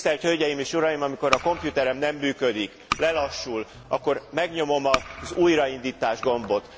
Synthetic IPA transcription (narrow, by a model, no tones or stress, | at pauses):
t̪ɛrchølɟɛjimeːʃuɾɒjimɒmiko̞ɾɒko̞mpjut̪ɛɾɛmnɛmːyːkød̪ik | lɛlɒʃːul | ɒkːo̞rmɛɡɲo̞mo̞mɒzuːjɾɒind̪iːt̪aːʒɡo̞mbo̞t̪